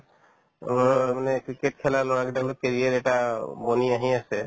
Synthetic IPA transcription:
manɛkɹikeʈkʰɛlalɔɹakdalɔkeɹiaɾɛʈaboniaɦiasɛ

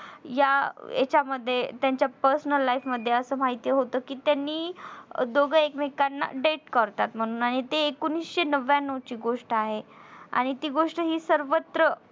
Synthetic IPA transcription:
jaḛt͡ɕaməd̪ʱːjet̪jaɲt͡ɕjapəɾsənəlːajfməd̪ʱːjeəsəːmaɦit̪ijəɦot̪əːkiːt̪janːiːd̪oɡəekmekanːa̰ɖeʈkəɾt̪at̪m̤əɽ̃uːnaɽ̃it̪eːkoniːsɕenəʋjanəʋt͡ɕiːɡoʂʈəaɦea̰ɽ̃it̪iːɡoʂʈəɦiːsəɾʋət̪ɾə

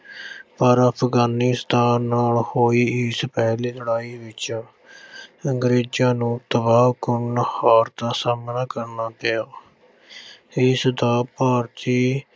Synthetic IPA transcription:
pəɾəpʰɡaːnɪst̪aːnːaːlhoːiːɪspɛːleːləɽaːiːʋɪt͡ʃː | əŋɡɾeːd͡ʒãːnũːt̪əbaːbkʊnhaːɾd̪aːsaːmnaːkəɾnaːpɪjaː | ɪsd̪aːpaːɾt̪iː

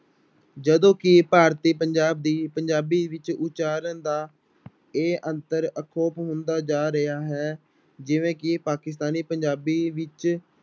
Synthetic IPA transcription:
d͡ʒəd̪õːkɪpaːɾt̪iːpəɲd͡ʒaːb̚d̪iːpəɲd͡ʒaːbiːʋɪt͡ʃʊt͡ʃaːɾənd̪aː | eːʔə̃nt̪əɾəkʰoːpɦʊ̃nd̪aːd͡ʒaːɾəjaːɦɛː | d͡ʒɪʋẽːkɪpaːkɪs̬t̪aːniːpəɲd͡ʒaːbiːʋɪt͡ʃ

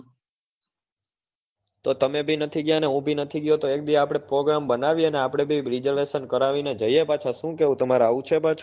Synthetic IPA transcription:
t̪ot̪əmebʱinət̪ʰiɡjãneɦũbʱinət̪ʰiɡjõt̪oek̚d̪iaapɽ̃epɾoɡɾambənaʋiəneapɽ̃ebʱiɾid͡ʒəɾʋeʃənkəɾaʋined͡ʒəijepat͡ʃʰaʃũkeɦũt̪əmaɾaũt͡ʃʰepat͡ʃʰ

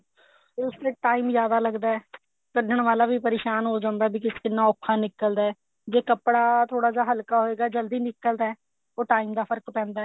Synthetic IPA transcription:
ʊst̪eːʈaːiːmzjaːd̪aːləɡd̪aːɛː | t̪əɖəɳʋaːlaːbiːpəɾeːʃaːnɦoːd͡ʒãːnd̪aːbiːkɪskɪnːãːʊkʰːãːnɪkəld̪aːɛː | d͡ʒeːkəpɽaːt̪ʰoːɽaːd͡ʒaːɦəlkaːɦoːeːɡaːd͡ʒəld̪iːnɪkːəld̪aːɛː | oːʈaːiːmd̪aːpʰəɾkpɛ̃ːnd̪aːɛː

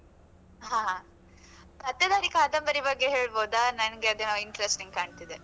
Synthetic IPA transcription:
ɦãːɦã | t̪ɐt̪ːɐd̪aːɾikaːd̪ɐmbɐɾibɐɡːeɦeːɭboːd̪aːnɐnɐɡeɐd̪enaiɳʈɐɾesʈiŋɡ̚kaːɳt̪id̪e

